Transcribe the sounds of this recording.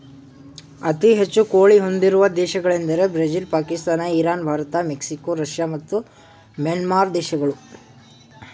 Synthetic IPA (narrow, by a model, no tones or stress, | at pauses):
ɐt̪iɦet͡ʃːukoːɭiɦo̞nd̪iɾuʋɐd̪ɛːʃɐɡɐɭend̪ɐɾe̞bɾed͡ʒilpaːkist̪aːnɐiɾaːnbʱaːɾɐt̪ɐmeksikoːɾɐʃjaːmɐt̪ːu | mjɐnmaːɾd̪ɛːʃɐɡɐɭu